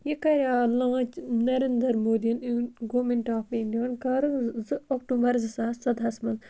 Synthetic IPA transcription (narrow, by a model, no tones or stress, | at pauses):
jekɐɾjaːlãːt͡ʃnɐɾend̪ɐɾmoːd̪ijɐniɡoːmenʈaːpĩːnd̪iʋɐnkɐɾɨzɨɐk̚ʈũbɐɾzɨsaːsɐd̪ɦɐsmɐn